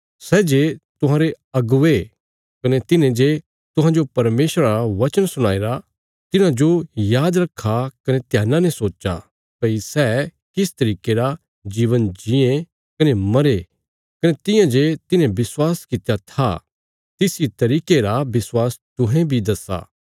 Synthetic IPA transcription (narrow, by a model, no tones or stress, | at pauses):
sɛːd͡ʒet̪ʊɦãːɾe | ɐɡʊʋe | kɐnɛt̪ɪnẽd͡ʒe | t̪ʊ̃ɦãd͡ʒopɐɾmeːʃɾaɾaʋɐt͡ʃənsʊɽ̃aːeɾa | t̪ɪnãd͡ʒojaːd̪ɾɐkʰːakɐnet̪jaːnanɛsoːt͡ʃa̰ | kɐisɛ | kɪst̪ɐɾiːkeɾa | d͡ʒiːʋənd͡ʒɪẽ | kɐnemɐɾe | kɐnet̪ɪ̃jãd͡ʒet̪ɪnẽbɪswaːskɪt̪ejat̪ʰa̰ | t̪ɪsit̪ɐɾiːkeɾabɪswaːst̪ʊɦẽbʱid̪ɐsa̰ː